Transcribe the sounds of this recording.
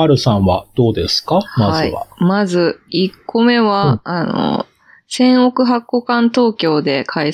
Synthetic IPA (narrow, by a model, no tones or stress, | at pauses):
aɾɯ̟sãɰ̃βad̪̥o̞ːd̪esɨ̥kamaazɨḭβa̰mazɨikʰːo̞me̞βaːno̰ | sẽ̞ɰ̃o̞kɯ̟ɦakːo̞kãnt̪o̞ːkʲo̞ːd̪e̞kʰai